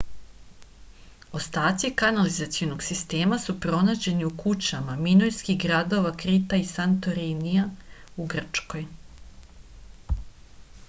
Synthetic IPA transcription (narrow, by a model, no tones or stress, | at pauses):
o̞st̪aːt̪sikanalizat̪sijono̞ɡsist̪e̞ːmasupɾo̞naːd͡ʑe̞niukut͡ɕamamino̞jskiɦɡɾad̪o̞ʋakɾit̪aisant̪o̞ɾiniauɡr̩t͡ʃko̞j